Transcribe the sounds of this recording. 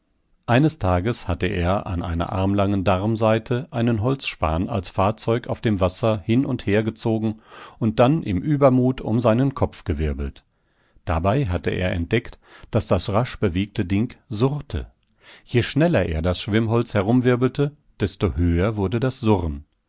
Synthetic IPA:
ʔaɪnəstʰaːɡəshatəʔḛːɐʔa̰nʔa̰ɪnɐ̰ʔaɐmlaŋəndaʁmzaɪtʰəʔaɪnənɦɔlt͡sʃpa̰ːna̰lsfaːɐt͡sɔʏkaʊfd̥eːmvasɐhɪnʔʊntheːɐɡət͡soːɡŋ̩ʊnt̚d̥anʔɪ̰mʔyːbɐmuːtʰʊ̰mzaɪnənkʰɔpp͡fɡ̥əvɪɐbl̩t | d̥abaɪɦatəʔḛːɐɛ̰nt̚d̥ɛktd̥asd̥asʁaʃb̥əveːk̚tədɪŋkzʊʁtʰə̰ | jeːʃnɛlɐʔḛːɐdasʃv̥ɪmɦɔlt͡shɛʁʊmvɪɐbl̩tə | d̥ɛstohøːɐvʊɐdədasz̥ʊʁən

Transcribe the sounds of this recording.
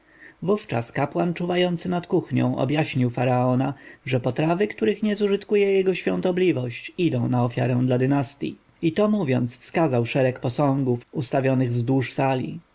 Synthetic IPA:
vuft͡ʂa̰skapwant͡ʂuvajɔnt̪sɘnat̪kuxɲɔ̰̃w̃ʔɔ̰bjaɕɲiwfaɾaɔnaʐɛpɔt̪ɾavɘkt̪uɾɘxɲɛzuʐɘt̪kujɛjɛɡɔɕfʲjɔ̰̃nt̪ɔblʲivɔɕt͡ɕid̪ɔ̃w̃naɔfʲja̰ɾɛw̃d̪lad̪ɘnast̪ʲjḭ | it̪ɔmuvʲjɔnt̪sfskazawʂɛɾɛkpɔsɔ̃ŋɡufust̪avʲjɔnɘɣvzd̪wuʂsalʲḭ

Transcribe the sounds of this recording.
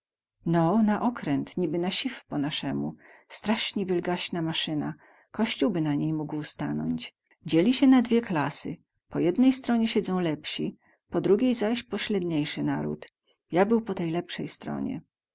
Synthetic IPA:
nɔnaʔɔkɾɛnt̪ɲibɘnaɕifpɔnaʂɛmṵst̪ɾaʂɲivɘlɡaɕnamaʂɘna | kɔɕt͡ɕuwbɘnaɲejmuɡwst̪anɔ̰ɲt͡ɕ | d͡ʑelʲiɕɛnad̪vʲjɛklasɘ̰ | pɔjɛd̪nɛjst̪ɾɔɲɛɕɛd̪zɔ̃w̃lɛpɕi | pɔd̪ɾuɡʲejzaɕpɔɕlɛd̪ɲejʂɘnaɾṵt̪ | jabɘwpɔt̪ɛjlɛpʂɛjst̪ɾɔ̰ɲɛ̰

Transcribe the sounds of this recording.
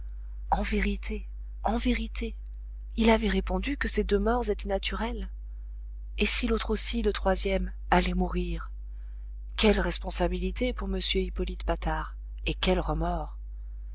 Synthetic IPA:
ɑ̃veʁit̪ʰe | ɑ̃veʁit̪ʰe | ilavɛʁepɔ̃d̪ykəsed̪ømɔʁzet̪ɛnat̪ʰyʁɛl | esilot̪χosilət̪χwazjɛm | alɛmuʁiʁ | kʲɛlʁɛspɔ̃sabilit̪epuʁməsjøipɔlit̪pat̪aʁ | ekʲɛlʁəmɔʁ

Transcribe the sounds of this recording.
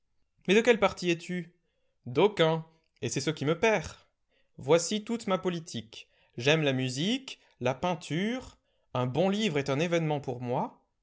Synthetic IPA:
mɛd̪əkʲɛlpaʁt̪iɛt̪y | d̪okʲɛ̃ | esɛsəkʲiməpɛːʁ | vwasit̪ut̪mapɔlit̪ʰik | ʒɛmlamyzik | lapɛ̃t̪ʰyʁ | ɛ̃bɔ̃livʁɛt̪ɛ̃nevɛnmɑ̃puʁmwa

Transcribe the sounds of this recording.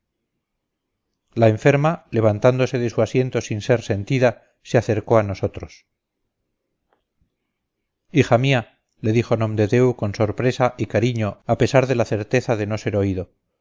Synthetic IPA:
laeɱfe̞ɾmale̞β̞ant̪and̪ose̞ðe̞suasje̞nt̪o̞sinse̞ɾse̞nt̪iða | seaθe̞ɾko̞ano̞so̞t̪ɾos | iχamia | le̞ðixono̞md̪e̞ðe̞uko̞nso̞ɾpɾe̞saʔikaɾiɲo̞ape̞saɾðe̞laθe̞ɾt̪e̞θaðe̞no̞se̞ɾo̞iðo̞

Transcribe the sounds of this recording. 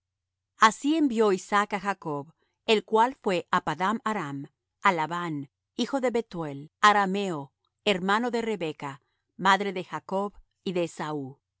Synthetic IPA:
asie̞mbjo̞isakaxako̞β | e̞lkwalfwe̞ʔapaðamaɾam | alaβan | ixo̞ðe̞βe̞t̪we̞laɾameo | eɾmano̞ðe̞re̞βe̞ka | maðɾe̞ðe̞xako̞β | iðeːsau

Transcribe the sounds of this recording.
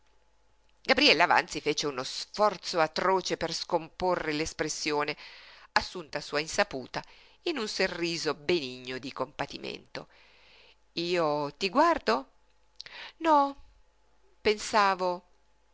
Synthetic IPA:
ɡabɾiɛlava̰nt̪sifeːt͡ʃeunosfɔrt̪soat̪ɾoːt͡ʃeperskomporːelespɾesːjoːneasːunt̪asuːainsapuːt̪a | inunsorːiːzobeniɲːod̪ikompat̪imḛnt̪o | iːot̪iɡward̪o | nɔ | pensaːvo

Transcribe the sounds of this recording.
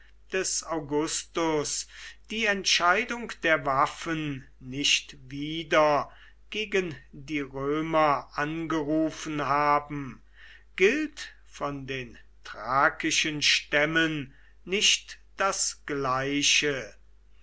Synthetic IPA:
d̥ɛsaʊɡʊstʊsd̥iːɛntʃaɪdʊŋkd̥eːɐvafən | nɪʃtviːdɐ | ɡ̥eːɡəndiːʁøːmɐʔanɡəʁuːfənɦaːbm̩ | ɡ̥ɪlt | fɔndeːn | tʁ̥aːkɪʃənʃtɛmənː | ɪʃt | d̥asɡ̥laɪʃə

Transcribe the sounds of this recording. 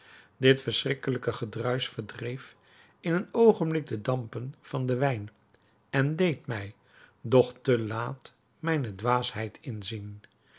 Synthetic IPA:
dɪtfəɹsrɪkələkəχədrœɥsfəɹdrejf | ɪnənowχənblɪk̚dədɑmpənv̥ɑndəʋɛjn | ɛndejtmɛj | dɔχtəlaːt | mɛjnədʋaːsɦɛjtʰɪnzin

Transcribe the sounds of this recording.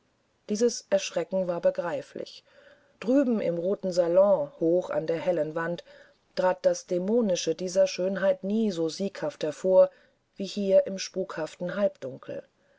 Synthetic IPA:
d̥iːzəsʔɛɐʃʁ̥ɛkŋ̩vaːɐbəɡʁaɪflɪ̰ç | d̥ʁyːbm̩ɪ̰mʁoːtn̩zalɔ̃ːhoːxa̰ndeːɐhɛlənvant | tʁ̥aːt̚d̥asd̥ɛmoːnɪʃədiːzɐʃøːnɦaɪtniːzoːziːkhafthɛɐfoːɐ | viːhiːɐʔɪmʃpuːkhaftn̩ɦalpd̥ʊŋkʰl̩

